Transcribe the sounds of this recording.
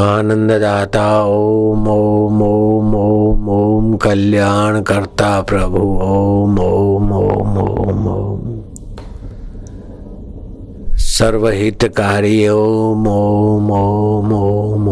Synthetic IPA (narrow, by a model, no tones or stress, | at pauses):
aːnə̃nd̪ɐd̪aːt̪aːoːmomomomomkɐljaːɳkɐɾt̪aːpɾɐbʱuomomo̰mo̰mo | sɐɾʋəɦit̪kaːɾijomomomom